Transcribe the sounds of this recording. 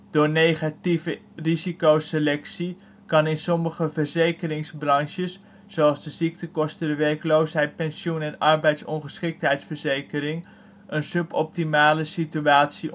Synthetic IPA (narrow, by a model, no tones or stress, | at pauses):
d̥ʊːɹnejχativə | rizikowselɛksi | kɑnɪnsɔməχəvəɹzejkərɪŋzbrɑŋʃəsː | owɑlˠzdəzik̚təkɔstədəʋɛrklowsɦɛjt̚pɛnsjunɛnɑrbɛjtsɔnχəsχɪk̚tɦɛjtsfəɹzejkəɾɪŋ | ənsɵpɔp̚timaːləsityaːtsi